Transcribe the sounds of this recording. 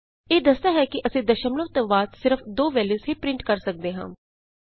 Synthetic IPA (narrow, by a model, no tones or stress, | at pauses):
eːd̪əst̪aːɦɛːkɪʔəsĩːd̪əʃəmləʋt̪õʋaːt̪sɪɾəfʰd̪oːʋɛːliːsɦiːpɾɪ̃ɳʈkəɾsək̚d̪eːɦãː